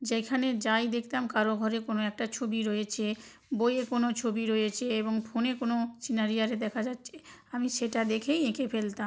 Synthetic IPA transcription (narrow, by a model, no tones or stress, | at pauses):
d͡ʑekʰaned͡ʑajd̪ekʰt̪amkaɾoɡʱɔɾekonoɛk̚ʈat͡ɕʰobiɾoet͡ɕʰe | bojekonot͡ɕʰobiɾojet͡ɕʰeeβoŋfʰonekonosinaɾijaɾed̪ɛkʰad͡ʑatːɕʰeamiʃeʈad̪ekʰejekʰefelt̪am